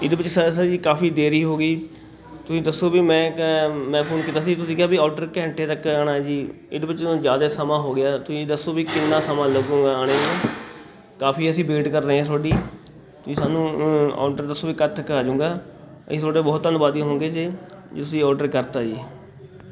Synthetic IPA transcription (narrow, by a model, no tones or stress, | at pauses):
ɪd̪ebɪt͡ʃsaːs̬aːid͡ʒiːkaːpiːd̪eːɾiːɦoːɡiː | t̪ʊsĩːd̪əsoːbiːmɛ̃ːmɛ̃ːpʰoːnkiːt̪aːsiːt̪ʊsĩːkjaːbiːɔːɖəɾkɛ̃ːɳʈeːt̪əkaːɽaːd͡ʒiː | ɪd̪ːbɪt͡ʃːd͡ʒjaːd̪eːsəmãːɦoːɡɪjaːt̪ʊsĩːd̪əsːoːbiːkɪnːãːsəmãːləɡõːɡaːaːɽ̃eːɦãː | kaːpʰiːəsĩːbeːʈkəɾːəɦẽːsʰoːɖiː | t̪ʊsĩːsaːnũːɔ̰ːɖəɾd̪əsoːbiːkət̪ʰːəkaːd͡ʒʊ̃ːŋɡaː | ə̰̃ːsʰoːɖeːbɔːt̪ːənbaːd̪iɦõːŋɡeːd͡ʒeː | d͡ʒːt̪ʊsĩːɔːɖəɾkəɾt̪aːd͡ʒiː